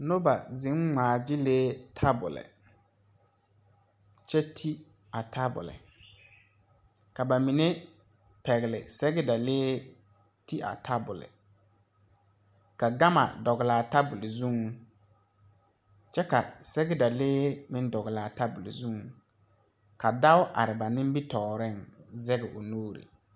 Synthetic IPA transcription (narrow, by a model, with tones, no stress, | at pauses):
no˦ba˨zɪ̃˨˦ŋŋaː˨d͡ʒɪ˦leː˦tʰa˦bʊ̰˨lɪ̰˨ | t͡ʃɛ˦tʰi˦ | a˨tʰa˦bʊ̰˨lɪ̰˨ | ka˨ba˨mi˨ne˦ | pɛ˨ɣɪ˨lɪ̰˨sɛ˦ɣɪ˦da˨leː˦ | ti˦a̰˨tʰa˦bʊ˨lɪ̰˨ | ka˨ɡa˦ma̰˨dɔ˨ɣɪ˨laː˨ta˦bʊ˨lɪ˨zu˦ŋ˦ | t͡ʃɛ˦ka˨sɛ˦ɡɪ˦da˨leː˦mɪ̃˦n˦dɔ˨ɣɪ˨laː˨ta˦bʊ˨lɪ̰˨zu˦ŋ˨˦ | ka˨da˦ʊ˦ʔa̰˨ɾɪ˨ba˨nɪ̃˦m˦bi˦tɔː˨ɾɪ˦˨nzɛ˦ɣɛ˨ʔʊ˨noː˦ɾḭ˨